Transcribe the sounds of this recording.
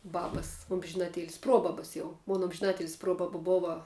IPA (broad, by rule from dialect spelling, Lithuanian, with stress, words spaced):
ˈbɑːbɐs oːmʲʒʲɪˈnɑːˌtʲeːlʲɪs ˈproːbɐbɐ jɛʊ moːn oːmʲʒʲɪˈnɑːtʲeːlʲɪs ˈproːbɐbɐ ˈboːʋɐ